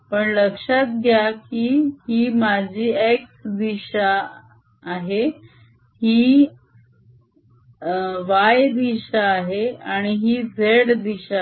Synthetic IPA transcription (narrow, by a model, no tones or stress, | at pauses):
pəɳləkʂat̪̚ɡʱjakiːhiːmad͡ʑʱiːeksd̪iɕaː | ɦe | hiː | ʋajd̪iɕaːɦeaɽ̃iɦiːd͡zʱeɽd̪iɕa